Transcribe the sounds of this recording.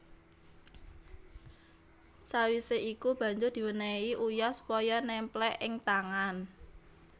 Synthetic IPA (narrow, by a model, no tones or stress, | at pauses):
sawiseʔikub̥a̤ɲd͡ʒʊrd̪̥i̤wənɛiʔujɔsu̥pɔjɔnɛmplɛʔɪŋt̪aŋan